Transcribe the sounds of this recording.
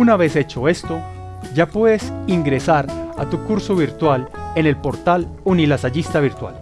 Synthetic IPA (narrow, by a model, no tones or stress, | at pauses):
unaβe̞se̞t͡ʃoe̞st̪o̞ | d͡ʒapwe̞ðesiŋɡɾe̞saɾa̰t̪ukuɾsoβiɾt̪walene̞lpo̞ɾt̪alunilasad͡ʒist̪aβiɾt̪wa̰l